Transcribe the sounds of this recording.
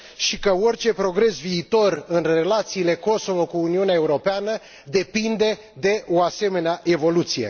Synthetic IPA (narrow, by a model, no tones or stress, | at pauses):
ʃikəorʲt͡ʃe̞pɾo̞ɡɾe̞sviːt̪o̞rɨnre̞lat̪siːle̞ko̞so̞vo̞kuːniuneaeuɾo̞peanə | d̪e̞pind̪e̞ | d̪e̞ʔo̞ase̞me̞neaʔe̞vo̞lut̪sije̞̰